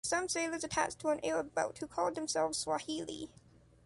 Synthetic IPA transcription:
sʌ̃mseɪlˠə˞zɨtʰæ̰t͡ʃtʰəə̃nʔḛɪɹəboʊt̚hukʰɔlˠd̪̚ðɨ̃m̩sɛlˠvz̥swɑhilˠḭ

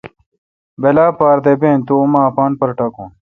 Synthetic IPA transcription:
belaːpaːɾd̪ebeːnt̪uːmaːpaːnpɐɾʈɐkṵ̃n

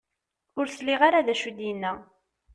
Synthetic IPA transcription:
ʊɾθliʁaɾaðæʃud̪inːæ

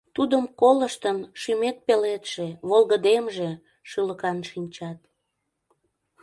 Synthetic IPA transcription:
t̪ud̪əmkoləʃt̪ənʃymet̪̚pelet̪ʃeβolɣəd̪emʒe | ʃɯləkɑnʃinʲt͡ɕɑt̪

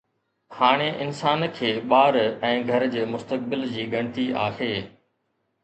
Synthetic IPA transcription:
haːɽ̃eʔɪnsaːnkʰeːɓaːɾɛ̃ːɡʱɐɾd͡ʑeːmʊst̪ək̚bɪld͡ʑiːɡɐɽ̃ɪt̪iʔa̰ːheː

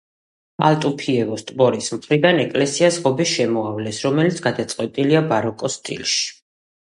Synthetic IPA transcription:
a̰lˠt̪ʼupʰiɛvɔst̪ʼbɔɾismχɾid̪anɛkʼlɛsiasʁɔbiʃɛmɔavlɛsɾɔmɛlit̪sʰɡad̪at̪sʼqʼwɛt̪ʼiliabaɾɔkʼɔst̪ʼḭlˠʃi̥

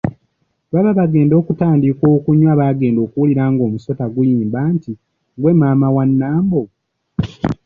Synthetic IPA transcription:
βaβaβaɡe̞ːndo̞ːkutaːndikoːkuɲːwaːβaːɡe̞ːndo̞ːkuwuliɾaːŋɡo̞ːmuso̞taɡujiːmbaːnti | ŋɡwe̞maːmawanːaːmbo

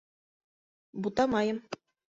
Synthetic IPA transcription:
but̪ɑmɑjɤm

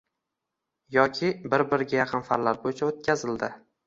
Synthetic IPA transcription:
jɒkʲʰɪbɪɾbɪɾɡʲajɑqʰɨnfaɾlaɾbojɪt͡ʃʰaot̪̚kʲʰazɪld̪ɪ

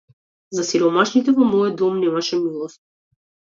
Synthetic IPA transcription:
zasiɾɔmaʃnit̪ɛvɔmɔjɔd̪ɔmnɛmaʃɛmilˠɔst̪̚

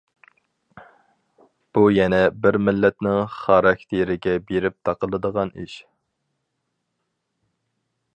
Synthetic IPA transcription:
b̥ujɛnɛbɪɾmɪlːɛt̪nɪŋχɑɾɑkʲt̪ʰeɾɪɡʲɛbeɾɪp̚t̪ʰɑqəlˠɨd̪əʁɑnḭʃ

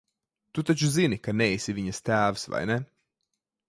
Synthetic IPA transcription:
t̪ut̪at͡ʃuzinikanɛjsiviɲɐst̪æːvsva̰jnɛ

